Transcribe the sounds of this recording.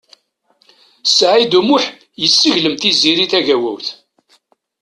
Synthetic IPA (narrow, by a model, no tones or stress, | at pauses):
sʕid̪umʊħ | jəsːəʝləmθiziɾiθæʝæwæwθ